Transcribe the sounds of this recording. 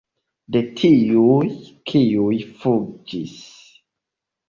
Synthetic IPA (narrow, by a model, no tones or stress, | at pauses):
detʰijujkʰiujfud͡ʒis